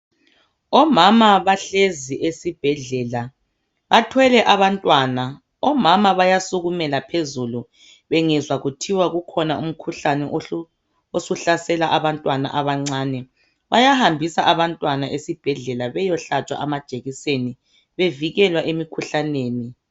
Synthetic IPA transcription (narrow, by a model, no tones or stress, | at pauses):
ɔmamaβaɬeziʔesib̥ʱɛɮɛla | βatʰwɛlɛʔaβantʼwana | ɔmamaβajasuɣumɛlapʰezulu | βɛŋɛzwaɣutʰiwaɣukʰɔnaṵm̩kʰuɬanɛ | osuɬasɛlaʔaβantʼwana̰ʔaβaŋ͡ǀaːnɛ | βajahambʱisaʔaβantʼwanaʔesib̥ʱɛɮɛlaβɛjɔɬat͡ʃʼwa̰ʔamad̥ʒ̥ʱʼeɣiseni | βeviɣɛlwaʔemikʰuɬaneːni